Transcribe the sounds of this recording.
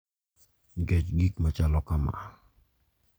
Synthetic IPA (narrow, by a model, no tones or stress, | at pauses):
ɡɛt͡ʃɡik̚mat͡ʃalɔkama̰a